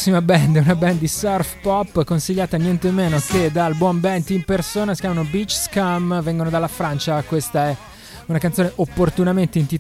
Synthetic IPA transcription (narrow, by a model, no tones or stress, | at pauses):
sːimabɛnd̪unabɛnd̪isɔrfpɔpːkonsiʎːaːt̪anjɛnt̪emːeːnoked̪albwɔmbɛnt̪impersoːnasi̥kʲjaːmanobit͡ʃskamvɛŋɡonod̪alːafɾant͡ʃakwest̪aɛ | unakant̪ːoːneʔopːort̪unament̪eint̪i